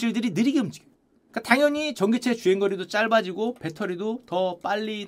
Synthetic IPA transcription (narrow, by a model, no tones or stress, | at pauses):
iɭdɯɾinɯɾiɡeund͡ʑiɡe | k͈ataŋjʌɲit͡ɕʌŋɡet͡ɕʰe̞t͡ɕueŋɡʌɾidot͡ɕ͈aɭbad͡ʑiɡope̞tʰʌɾidotʌp͈aʎːi